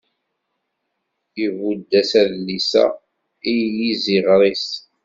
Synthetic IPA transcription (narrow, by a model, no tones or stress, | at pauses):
ivud̪ːæsæðlːisæ̰ | ijjiziʁɾˤis